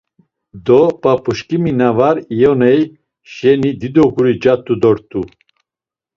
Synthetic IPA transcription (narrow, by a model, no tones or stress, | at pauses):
d̪ɔpʼapʰuʃkʼiminavaɾijɔnɛj | ʃɛnid̪id̪ɔɡuɾid͡ʒat̪ʰʼud̪ɔɾt̪ʰʼu